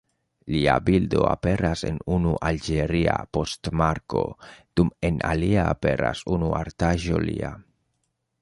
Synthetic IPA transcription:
liabildo̞a̰pe̞ɾase̞nunuʔald͡ʒeɾiapo̞stmaɾko̞d̪̥ume̞naliaːpe̞ɾa̰sunuaɾtaʒo̞lia

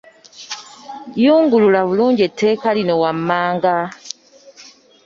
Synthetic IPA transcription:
juːŋɡululaβuluːɲɟietʰːe̞ːkalino̞wamːaːŋɡa

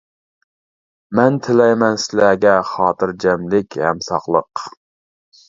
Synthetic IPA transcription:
mɛnt̪ʰɪlɛjmɛnsɪlæɡʲɛχɑːt̪ɨɾd͡ʒɛmlɪkʲhɛ̰msɑ̰χlˠəq

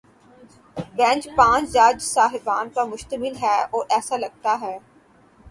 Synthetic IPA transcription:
bɛ̃ːɲt͡ʃpãːt͡ʃd͡ʒaːd͡ʒsaːɦɪbaːnkamʊʃt̪əmɪlɦɛːoːʔɛːsalɐɡ̚t̪aɦɛː

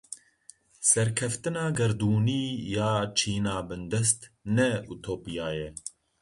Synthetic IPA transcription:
sɛɾkʰɛft̪ɨnɑːɡɐɾd̪uːniːjaːt͡ʃʰiːnaːbɨnd̪ɛst̪nɛut̪ʰoːpijaːjɛ

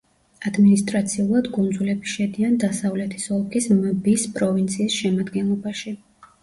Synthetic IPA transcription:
ad̪minist̪ʼɾat̪sʰiulˠad̪ɡʼund̪zulɛbiʃɛd̪iand̪asavlɛt̪ʰi̥sɔlˠkʰisməbispʼɾɔvint̪sʰiːsʃɛmad̪ɡɛnlˠɔbaʃi

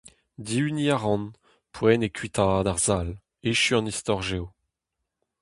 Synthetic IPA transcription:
diyniaʁɑ̃n | pʰwɛnekʰɥit̪aːd̪aʁzal | eʃyɑ̃nist̪ɔʁʒeo

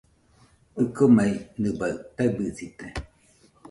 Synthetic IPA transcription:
ɯkomainɨbat̪abɨsit̪e

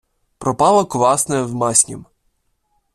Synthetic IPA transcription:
pɾɔpɑlˠɐkʊʋɑsnɛwmɑsʲnʲḭm

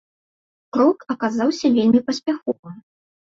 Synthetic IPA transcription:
kɾɔkɐkazawsʲɐvʲelʲmʲipɐsʲpʲaxɔvɨm

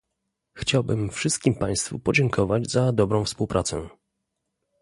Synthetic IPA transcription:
xt͡ɕawbɘmfʂɘst̪̚kʲimpaj̃st̪fṵpɔd͡ʑɛŋkʰɔvad͡ʑzad̪ɔbɾɔ̃w̃fspuwpɾʔat̪sɛ̰

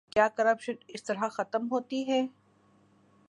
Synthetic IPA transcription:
kjaːkɐɾɐpʃənɪst̪ɐɾɦaxɐt̪əmɦoːt̪iɦɛː

